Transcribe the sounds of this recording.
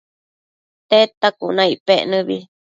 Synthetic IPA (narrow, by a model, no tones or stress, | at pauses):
t̪et̪akunãipeʔnɨ̃βi